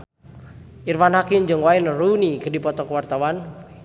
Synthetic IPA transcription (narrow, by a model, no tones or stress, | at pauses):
irmanhakɪmd͡ʒɨŋwainərunikədipɔt̪ɔkəwart̪awan